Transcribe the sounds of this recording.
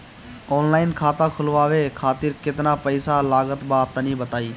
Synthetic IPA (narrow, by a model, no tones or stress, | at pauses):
oːnlaːɪnkʰaːt̪ãːkʰʊlʋaːʋeːkʰaːt̪ɪɾkɪt̪naːpəɪsalaːɡət̪baːt̪ənĩːbət̪aːiː